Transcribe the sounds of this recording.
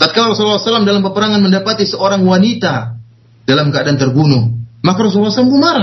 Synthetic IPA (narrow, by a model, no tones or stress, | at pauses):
t̪at̪̚kalarɔsullasalamdalampəpəɾaŋanməndapat̪isəoɾaŋwanit̪a | dalamkəadant̪ərbunʊhmakaɾos̬ulːasalamɡumaɾa